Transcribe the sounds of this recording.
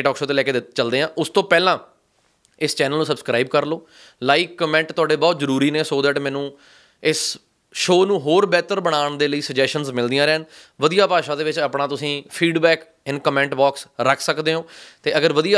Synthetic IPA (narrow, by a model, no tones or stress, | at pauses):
ʈɔːkʃoːt̪eːlɛːkeːd̪ɪt̪t͡ʃəld̪eːɦãːʔʊst̪õːpɛːlãː | ɪst͡ʃɛːnəlːnũːsəbskɾaːiːbkəɾloː | laːiːkːəmɛ̃ːɳʈt̪ʊaːɖeːbɔːt̪zəɾuːɾiːneːsoːd̪ɛʈːmɛ̃ːnũː | ɪs | ʃoːnũːɦoːɾbɛːt̪əɾbəɽ̃aːɳd̪eːləiːsəd͡ʒɛːsʃʈənzmɪld̪ijãːɾɛːn | ʋəd̪ijaːpaːʃãːd̪eːʋɪt͡ʃaːpɳãːt̪ʊsĩːpʰiːɖbɛːk | ɪnkəmɛ̃ːɳʈbaːksɾəkʰsəkd̪eːɦõːt̪eːəɡəɾʋəd̪ija